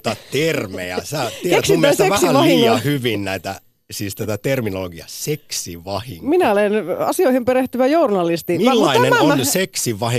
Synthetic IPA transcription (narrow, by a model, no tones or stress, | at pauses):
t̪ɑt̪ermḛæ̰sætieksmiumest̪ekæhsiæʋɑhiɑhyʋinnæit̪æ | siːst̪æt̪æt̪erminoloɡiɑseksiʋɑhiŋminæolenɑ̰sioihimpeɾeht̪yʋæjournɑlist̪iːælːɑinenmæonseksiʋɑhi